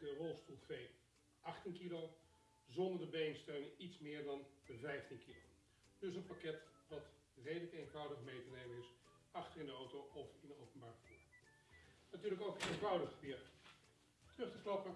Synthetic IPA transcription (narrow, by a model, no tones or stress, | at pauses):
dərɔlˠstulˠvej | ʔɑχtinkilow | zɔndəɹdəbejɪŋstøɥnitsmɪːɹdɑnəvɛjftinkilo̰w | dɵɪsənpakɛtʋɑt | rejdələkenvɔwdəχmejtənejmənɪs | ɑχtərɪndəowtowɔfɪndəowpənbaːrvu | natyːɹləkowkejnvɑwdəχəbɪt | trɵχtəklɑpə